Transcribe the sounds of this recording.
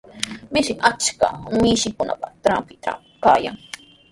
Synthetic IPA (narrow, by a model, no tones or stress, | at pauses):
mɪʃɪʔat͡ʃka̰mɪʃɪkʊna̰pḁt̪ɾampɪt̪a̰ | kaːja̰ŋ